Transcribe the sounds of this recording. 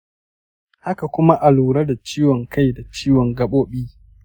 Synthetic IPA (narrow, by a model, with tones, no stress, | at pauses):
ha˦ka˨kʷʊ˦ma˦ʔa˨luː˨ɾɐ˦da˨t͡ʃiː˦wɔ˨ŋkʰa˦jda˨t͡ʃiː˦wɔ˨ŋɡɐ˦ɓoː˦ɓiː˦